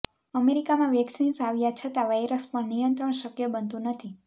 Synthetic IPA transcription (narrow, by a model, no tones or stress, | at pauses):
əmeɾikamãʋɛksinsaʋjat͡ʃʰət̪aʋajɾəspəɳnijənt̪ɾəɳʃəkjəbənt̪ũnət̪ʰi